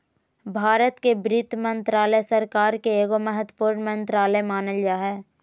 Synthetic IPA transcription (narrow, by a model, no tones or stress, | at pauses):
bʱaːɾət̪kebɾɪt̪mə̃nt̪ɾaːləsəɾkaːɾkeeːɡoməɦət̪wəpuːɾnmə̃nt̪ɾaːləmaːnəljaːɦɛː